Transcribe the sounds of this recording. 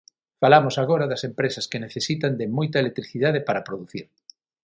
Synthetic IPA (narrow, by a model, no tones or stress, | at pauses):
falamosaɣoɾaðɐsempɾesɐskeneθesit̪and̪emojt̪aelek̚t̪ɾiθiðað̞epaɾapɾoðuθiɾ